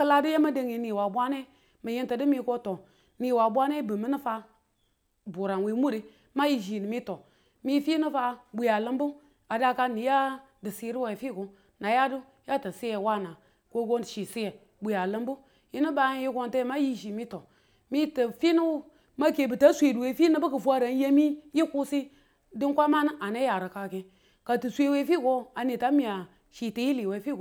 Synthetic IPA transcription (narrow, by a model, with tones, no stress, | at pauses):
kə˦la˦di˦je˦ma˦de˨ŋji˨ni˨wa˨bʷa˦ne˦ | mə˨ji˦ntə˨dɨ˦mi˦ko˦to˨ | ni˨wa˨bʷa˦ne˦bɨ˨mi˦ni˦fa˦ | bu˨ɾa˨nwi˨˦mu˦ɾi˨ | ma˦ji˨ʒi˨ni˨mi˦to˨ | mi˦fi˦nə˦fa˧bu˨ja˨lɨ˦mbu˦ | a˨da˦ka˦ni˨ja˦ | dɨ˨si˦ɾi˦wa˨i˨fi˦ku˨ | na˨ja˦du˦ | ja˦tə˨si˦je˨wa˦˨na˨ | ko˦ɡo˦˨ʃi˨si˦je˨ | bu˨ja˨lɨ˦mbu˦ | ji˦ni˦ba˦ji˦ɡo˦nte˦ma˦ji˦ʃ̬i˨mi˦to˨ | mi˦tə˨fi˦nu˦w | ma˦ke˨bə˨ta˦sʷe˨du˨we˨fi˦nɨ˦bə˦kə˨fʷa˦ɾa˨n˦je˦mi˦ji˦ku˦si˦ | di˦ŋkʷa˦ma˦nɨ˦ʔa˨ne˦ja˨ɾə˨ka˨ke˨ | ka˨tu˨sʷe˦we˦fi˦ɡo˦a˨ni˨ta˦mi˨ja˨ | ʃi˨ti˨ji˦li˨we˨˦fi˦ɡo˨